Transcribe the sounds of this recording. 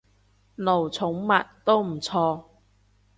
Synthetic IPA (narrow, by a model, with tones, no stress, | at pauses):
no˨˩wt͡sʰʊ˨˥ŋmɐ˨t̚t̪o˥wm̩˨˩t͡sʰɔː˧